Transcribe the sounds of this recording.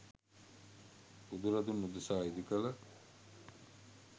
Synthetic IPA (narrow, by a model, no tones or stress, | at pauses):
ud̪uɾɐd̪unːud̪usaːid̪ikəlɐ